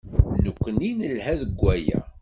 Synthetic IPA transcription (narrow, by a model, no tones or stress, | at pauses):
nukʷːəninəlhæðəɡʷːæjæ̰